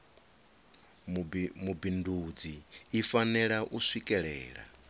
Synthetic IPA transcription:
mubindʱud͡ziːfanɛɺaʔusʷwikʼɛɺɛ̰ːɺa̰

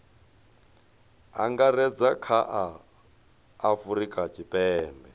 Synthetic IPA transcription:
a̰ŋɡarɛd͡zakʰaʔa | fuɾikʼat͡ʃʰʼipʼɛːmbɛ

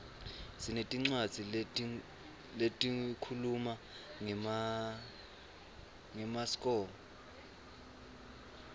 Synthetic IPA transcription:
sinetʼiŋ͡ǀwad̥z̥ʱi | letʼikʰuluma | ŋ | ŋɛmaskʼɔːlɔ

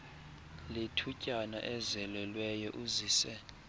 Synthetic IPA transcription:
letʰucʼana̰ʔɛzɛlɛlwɛjɔʔuziːsɛ

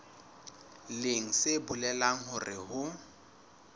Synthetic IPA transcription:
leŋ̩sebʊlɛlaŋ̩ɦʊrɪ̰hʊ

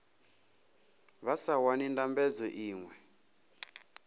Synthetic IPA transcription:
βasawanindambɛd͡zɔʔiːŋwɛ

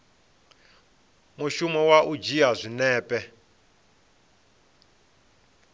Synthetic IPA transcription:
muʃumɔwaʔud͡ʒiazʷinɛːpɛ

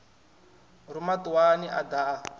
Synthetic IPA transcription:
rumatuwaniʔad̪a

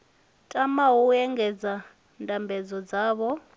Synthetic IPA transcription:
tʼamaɦuɛŋɡɛd͡za | ndʱʼambʱɛd͡zɔd͡zaːβɔ

